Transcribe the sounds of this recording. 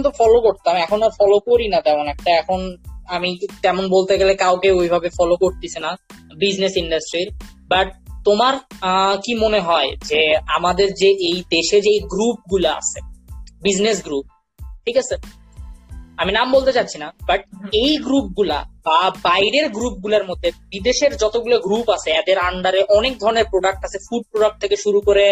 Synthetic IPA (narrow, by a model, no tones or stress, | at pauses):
t̪̬ofɔlokoɾt̪amɛkʰonafɔlokoɾinat̪ɛmonɛk̚ʈaɛkʰonamit̪ɛmonbolt̪eɡelekawkeojbʱabefɔlokoɾt̪it͡ɕʰena | bid͡ʑnesiɳɖasʈɾiɾ | baʈ̚t̪omaɾkimoneɦɔed͡ʑeamad̪eɾd͡ʑeʔejd̪eʃed͡ʑejɡɾup̚ɡulaa̰t͡ɕʰebid͡ʑnes̬ɡɾup̚ | ʈʰikat͡ɕʰe | aminambolˠt̪et͡ɕatːɕʰinabaʈ̚ejɡɾup̚ɡula̰babajɾeɾɡɾup̚ɡulaɾmod̪ʱːebid̪eʃeɾd͡ʑɔt̪oɡuloɡɾupat͡ɕʰeɛd̪eɾaɳɖaɾeʔɔnek̚d̪ʱɔɾoneɾpɾoɖak̚ʈasʰefuɖ̚pɾoɽak̚ʈ̚t̪ʰekeʃuɾukoɾe